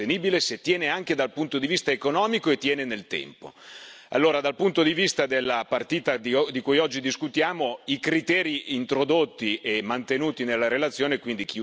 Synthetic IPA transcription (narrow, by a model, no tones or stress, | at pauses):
eniːbileset̪jɛːneaŋk̟ed̪alpunt̪od̪ivist̪aekonɔːmikoet̪ːjɛːnenelt̪ɛ̰mpo̰ | a̰lːoːɾad̪alpunt̪od̪ivist̪ad̪elːapart̪iːt̪ad̪id̪ikujɔd͡ʒːid̪iskut̪jaːmoikɾit̪ɛːɾiːnt̪ɾod̪ot̪ːiemːant̪enuːt̪inelːaɾelat̪sːjoːnekwind̪ik̟i